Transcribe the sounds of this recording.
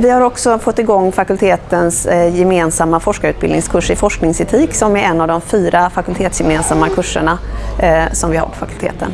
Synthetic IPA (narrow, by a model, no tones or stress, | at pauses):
vɪhaɾɔksɔfɔt̪ːɪɡɔŋːfakɵlt̪ʰeːt̪ənsjɛmeːnsamːafɔʂkaʉ̟ːt̪bɪld̪ɪŋskʰɵʂɪfɔʂknɪŋsɛt̪ʰiːksɔmæɾɛnːavd̪ɔmfyːɾafakɵlt̪ʰeːt̪sjɛmeːnsamːakʰɵʂːə̰ɳa | sɔmvɪha̰ɾpʰɔ̥fakɵlt̪ʰḛːt̪ə̰n